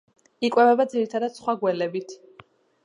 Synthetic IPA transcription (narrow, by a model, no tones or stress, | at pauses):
ikʼwɛvɛbad̪ziɾit̪ʰad̪ad̪̥sχwaɡwɛlɛbit̪ʰ